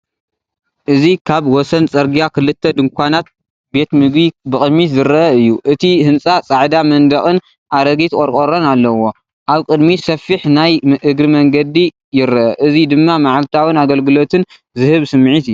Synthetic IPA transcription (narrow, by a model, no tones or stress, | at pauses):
ʔɨzikʰaβwɔsɐnt͡sʼɐɾɡijakʰɨlɨt̪ʰːɐd̪ɨŋkʷʰanat̪̚ | be̞t̪mɨɡbibɨkʼɨd̪mːit̪zɨɾɐʔɐɨjːuʔɨt̪ʰihɨnt͡sʼat͡sʼaʕd̪amɐnd̪ɐxʼɨn | ʔaɾɐɡit̪kʼɔɾkʼoɾonalːɐwo̞ | ʔaβkʼɨd̪misɐfiħnajmɨʔɨɡɾɨmɐŋɡɐd̪i | jɪɾɐʔɐʔɨzid̪ɨmːamaʕalt̪ʰawɨnaɡɐlɡɨlo̞t̪ʰɨn | zɨhɨβsɨmːʕit̪ɨjːu